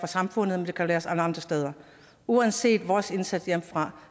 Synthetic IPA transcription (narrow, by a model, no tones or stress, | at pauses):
ʁɑ̈sɑ̈mfɔ̽n̰ð̩ˠmend̥e̝kʰælæːɐsæləɑ̈nd̥ʁɐsd̥eːð̞ˠɐ | uænse̝̰ːd̥ʋɒːse̝nsæd̥jem̰fʁɑ̈